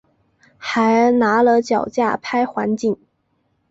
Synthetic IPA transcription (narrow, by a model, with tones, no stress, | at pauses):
xa˧˥ɪna˧˥lə˧t͡ɕjɑ˨˩ʊt͡ɕja˥˩pʰa˥ɪxwa˧˥nt͡ɕi˥˩ŋ